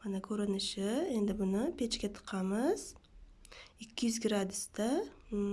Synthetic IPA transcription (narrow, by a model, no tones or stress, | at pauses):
mɑnakʲʰɵɾɪnɪʃɪe̞nd̪ɪbʊnʊpʰe̞t͡ʃkʲet̪ʰə̥qʰːɑməz̥ | ɪkʲːɪjʏzɡɾad̪ʊst̪a